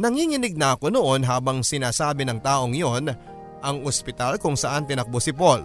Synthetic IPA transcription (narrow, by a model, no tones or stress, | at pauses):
nɐŋiːŋɪnɪɡ̚nɐʔɐko̞noʔonɦaːbɐŋsɪnaːsaːbɪnɐŋt̪aːʔo̞ŋjo̞n | ʔɐŋospɪt̪alkʊŋsɐʔɐnt̪ɪnɐk̚bosɪpol